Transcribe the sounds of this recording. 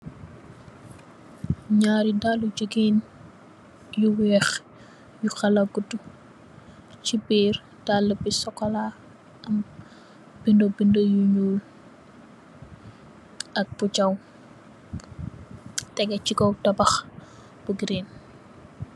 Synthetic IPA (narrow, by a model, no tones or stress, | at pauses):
ɲaːɾidalud͡ʒəɡin | juwɛːx | juxɐlɐɡutu | t͡ʃibiːr | d̥alːəbisɔkːɔla | ɐm | bindobindojuɲuːl | ʔɐk̚but͡ʃɐw | tɛɡɛcikɔwtɔbɐx | b̥uɡiɾen